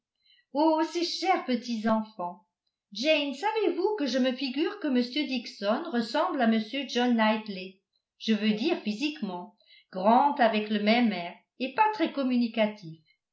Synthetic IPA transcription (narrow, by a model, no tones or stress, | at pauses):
oseʃɛʁpət̪izɑ̃fɑ̃ | d͡ʒɛnsavevukəʒəməfiɡyːʁkəməsjød̪iksɔnʁəsɑ̃blaməsjød͡ʒɔnːajt̪le | ʒ̥əvød̪iʁfizikmɑ̃ | ɡ̥ʁɑ̃d̪avɛkləmɛmɛʁ | epat̪χɛkɔmynikat̪ʰif